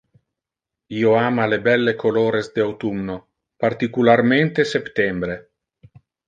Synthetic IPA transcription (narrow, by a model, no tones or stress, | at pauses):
iːoaːmalebɛlːekʰoloːɾezd̪eawt̪umno | paɾt̪ikularmẽnt̪esept̪ɛmbɾe